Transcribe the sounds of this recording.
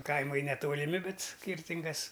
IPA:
ˈkɐɪmɐɪ nʲɛtoːlʲɪˈmʲɪ ˈbʲɛt ˈsʲkʲiːrʲtʲɪŋɡɐs

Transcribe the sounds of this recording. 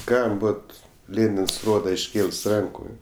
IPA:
ˈkɐm ˈboːt ˈlʲeːnʲɪns ˈroːdɐ ɪʃʲˈkʲeːlˠs ˈrɐŋkʊ

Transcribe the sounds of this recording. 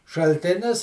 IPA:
ʃɐlʲˈtʲɪnʲɪs

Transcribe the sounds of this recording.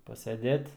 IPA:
pɐsʲɛˈdʲeːt

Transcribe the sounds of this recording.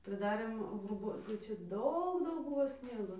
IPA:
pʲrʲɪdɐˈrʲeːm ɣrʊˈbuː tɐɪ ˈt͡ʃʲɛ ˈdɐʊk ˈdɐʊk ˈbʊʋoː ˈsʲnʲiɛɡoː

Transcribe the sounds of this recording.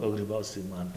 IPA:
oː ɡrʲiːˈbɐʊt͡s tɐɪ ˈmɐn

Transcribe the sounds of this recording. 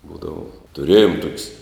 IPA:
ˈbuːdɐʋɐ tʊˈrʲeːjoːm tuɔkʲsʲ

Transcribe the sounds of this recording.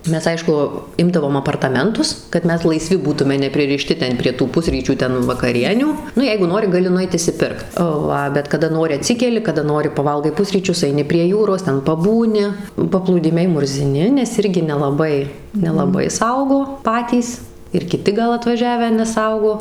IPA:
ˈmʲɛs ˈɐɪʃkʊ ˈɪmdɐʋoːm ɐpɐrtɐˈmʲɛntʊs kɐt ˈmʲɛs lˠɐɪˈsʲʋʲɪ ˈbuːtʊmʲɛ nʲɛpʲrʲɪrʲɪˈʃʲtʲɪ ˈtʲɛn pʲrʲiɛ tuː ˈpʊsʲrʲiːt͡ʃʲuː ˈtʲɛn ʋɐkɐˈrʲiɛnʲuː ˈnʊ ˈjɛɪɡʊ ˈnoːrʲɪ ɡɐˈlʲɪ nʊˈɛɪt ɪʃʲsʲɪˈpʲɪrkt ˈʋɐ bʲɛt kɐˈdɐ ˈnoːrʲɪ ɐˈtʲsʲɪkʲɛlʲɪ kɐˈdɐ ˈnoːrʲɪ pɐˈʋɐlˠɡɐɪ ˈpʊsʲrʲiːt͡ʃʲʊs ɐɪˈnʲɪ pʲrʲiɛ ˈjuːroːs ˈtʲɛn pɐˈbuːnʲɪ pɐplˠuːˈdʲɪmʲɛɪ mʊrʲzʲɪˈnʲɪ nʲɛs ˈɪrʲɡʲɪ nʲɛlˠɐˈbɐɪ nʲɛlˠɐˈbɐɪ ˈsɐʊɡoː ˈpɑːtʲiːs ɪr kʲɪˈtʲɪ ɡɐlˠ ɐtʋɐˈʒʲæːʋʲæː nʲɛˈsɐʊɡoː

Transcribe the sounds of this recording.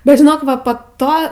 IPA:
bʲɛt ʒʲɪˈnoːk ˈʋɐ poː ˈtoː

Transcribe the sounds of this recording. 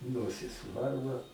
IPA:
ˈnoːsʲɪs ˈʋɐrʋɐ

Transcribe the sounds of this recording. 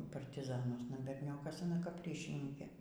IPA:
pɐrʲtʲɪˈzɑːnuɔsnɐ bʲɛrʲˈnʲoːkɐs ɐˈnɐ kɐp ˈrʲiːʃʲɪnʲɪŋʲkʲeː

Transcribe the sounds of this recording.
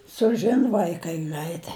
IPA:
sʊˈʒʲɪn ʋɐɪˈkɐɪ ˈɡrɐɪtɐɪ

